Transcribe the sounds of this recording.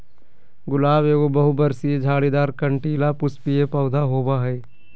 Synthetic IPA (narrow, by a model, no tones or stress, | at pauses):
ɡʊlaːbeːɡobɐɦubɐɾsied͡ʒʱaːɽid̪aːɾkɐɳʈiːlapʊspijepɐʊd̪ʱaɦoːbaɦɛː